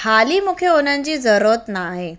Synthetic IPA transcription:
kʰaliːmukʰeonaɲt͡ɕiːd͡zəɾot̪naɦe

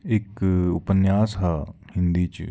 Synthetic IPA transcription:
ɪkʊpənjaːsɦahɪ̃nd̪iːt͡ʃ

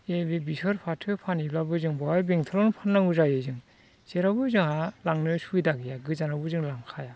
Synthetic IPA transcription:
ebebisɔɾpʰatʰɯpʰaniblabɯzɯŋbɔjɔbeŋtʰɯɾɔnpʰanːaŋuzajɯzɯŋ | z̥eɾabɯzɯŋhalaŋnɯsujdaɡijaɡɯzanabɯzɯŋlaŋkʰaja

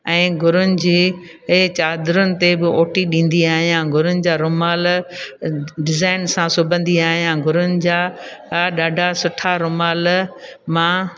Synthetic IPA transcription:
ɛ̃ːɡʱʊɾʊnɪ̆d͡ʑiː | ɦt͡ɕaːd̪ɾʊnɪ̆t̪ebɪoːʈiɗĩːn̆d̪iaːɦijãːɡʱʊɾʊnɪ̆d͡ʑaːɾʊmaːl | ɖɪzaːɪnsãsʊbʱə̃nd̪iaːɦijãɡʱʊɾʊnɪ̆d͡ʑaːɗaːɖʱasʊʈʰaɾʊmaːlmã

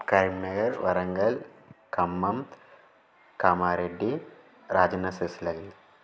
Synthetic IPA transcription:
kɐɾmnɐɡɐɾʋɐɾɐŋɡɐlkɐmːɐm | kɐmaːɾeɖːi | ɾaːd͡ʒɐnːɐseslɐɡi

